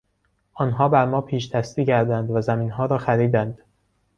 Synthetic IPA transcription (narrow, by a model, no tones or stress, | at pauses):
ʔɒːnɦɒːbæɾmɒːpʰiːʃt̪ʰæst̪iːcʰæɾd̪ænd̪væzæmiːnɦɒːɾɒːxæɾiːd̪ænd̪̥